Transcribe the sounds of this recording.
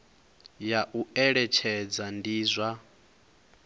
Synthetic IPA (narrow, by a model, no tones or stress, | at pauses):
jaʔuɛɺɛt͡ʃʰɛd͡zandiːzʷa